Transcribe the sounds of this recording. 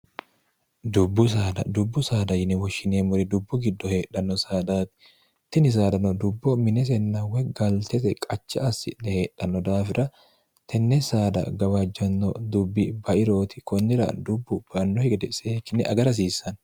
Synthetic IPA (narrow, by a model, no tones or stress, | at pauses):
d̪ʊbːʊs̬aːd̪ɐ̰d̪ʊbːʊsaːd̪ɐjɪnɛwɔʃːɪneːmʊɾɛd̪ʊbːʊɡɪd̪ːɔhe̞ːᶑɐnːɔsaːd̪aːt̪ɪ̥ | t̪ːɪnɪs̬aːd̪ɐnɔd̪ʊbːɔmɪnɛs̬ɛnːɐwɛɡɐlt̪ɛsɛkʼɐt͡ʃːɐɐsːɪᶑɛhe̞ːᶑɐnːɔd̪aːfɪɾɐ | t̪ʰɛnːɛsaːd̪ɐ̰ɡɐβɐd͡ʒːɐnːɔd̪ʊbːɪbɐʔɪɾo̞ːt̪ɪ̥kɔnːɪɾɐ̰d̪ʊbːʊb̥ɐnːɔhɛd̪ɛseːkːɪnːɛʔɐɡɐɾɐs̬iːsɐn